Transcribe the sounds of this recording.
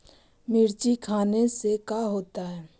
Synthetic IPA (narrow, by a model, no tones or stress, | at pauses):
mɪɾt͡ʃikʰaːnesekaɦoːt̪aɦɛː